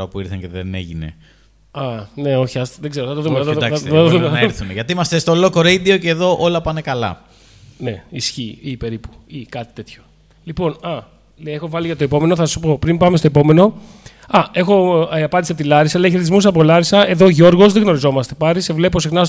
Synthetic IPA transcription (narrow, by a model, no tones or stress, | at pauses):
ɐpuiɾθɐceðḛnḛʝinḛ | ɐne̞o̞çiɐst̪ɐðeɡze̞ɾoθɐt̪oðumeɐt̪d̪ɐsɐt̪oðumeθuneʝɐt̪iimɐst̪est̪olokoɾeid̪ioceːðo̞ʔo̞lɐpɐne̞kɐlɐ̰ | ne̞isçiipe̞ɾipu̥ikɐt̪i̥t̪e̞t̪ço̞̥ | lipo̞nɐ | lexo̞vɐliʝɐt̪o̞e̞po̞me̞no̞θɐssu̥po̞pɾimbɐmest̪o̞epo̞me̞no̞ | ɐe̞xo̞ɐpɐnd̪isept̪ilɐɾisɐleç̬eɾet̪izmus̬ɐpo̞lɐɾisɐe̞ðo̞ʝo̞ɾɣo̞zðeɣno̞ɾizo̞mɐst̪e̞pɐɾisevle̞posixnɐ